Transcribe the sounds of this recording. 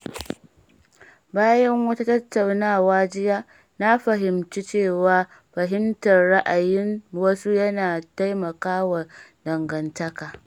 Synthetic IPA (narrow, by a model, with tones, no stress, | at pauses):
baː˦jɐ˦ŋwɐ˦ta˦tɐ˦tːa˨wnaː˦˨waː˦d͡ʒɪ˦jaː˦ | na˦ɸɐ˨ɦɪ˨mt͡ʃi˦t͡ʃeː˦˨waː˦ | ɸɐ˨ɦɪ˦mtɐ˨rɽa˦ʔa˨jɪ˦nwɐ˦su˦jɐ˦naː˨ta˦jmɐ˨kaː˦wa˨dɐ˨ŋɡɐ˨ntɐ˦kaː˨